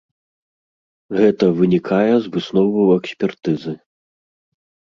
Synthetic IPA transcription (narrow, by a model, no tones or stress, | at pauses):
ɣɛt̪ɐvɨnʲikʰajɛzvɨsnɔvɨwɛksʲpʲɛrt̪ɨzɨ